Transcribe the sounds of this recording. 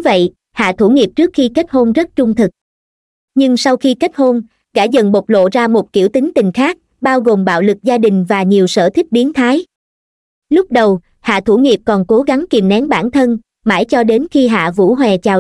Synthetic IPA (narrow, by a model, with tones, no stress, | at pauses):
və̰˧˨j | ha̰ː˧˨t̪ʰu˧˩ŋi˨˩əp̚t͡ɕɨ˦˥ək̚xi˧ka˦˥t̚ho˧nzə˦˥t̚t͡ɕʊ˧ŋ͡mt̪ʰɨ˨˩k̚ | ɲɨ˧ŋsa˧wxi˧ka˦˥t̚ho˧n | ɣa̰ː˧˩zə̰˨nɓo˨˩k͡p̚lo̰˧˨zaː˧mo˨˩t̚ki˧˩əwt̪i˨˦ŋ̟t̪ï˨˩ŋ̟xaː˦˥k̚ | ɓaː˧wɣo˨˩mɓa̰ː˧˨wlɨ˨˩k̚zaː˧ɗï˨˩ŋ̟vaː˨˩ɲi˨˩əwsə̰ː˧˩t̪ʰï˦˥k̚ɓi˨˦ənt̪ʰaː˨˦j | lʊ˦˥k͡p̚ɗə˨˩w | ha̰ː˧˨t̪ʰu˧˩ŋi˨˩əp̚kɔ˨˩nko˨˦ɣa˨˦ŋki˨˩mnɛ˨˦ŋɓaː˧˩nt̪ʰə˧n | maː˧˩jt͡ɕɔ˧ɗe˨˦nxi˧ɦa̰ː˧˨vṵ˧˥ɦwɛ˨˩t͡ɕaː˨˩